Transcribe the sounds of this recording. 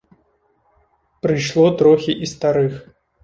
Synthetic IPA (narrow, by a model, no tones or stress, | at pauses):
pɾɨjʂlˠɔt̪ɾɔxʲiʔist̪aɾɨx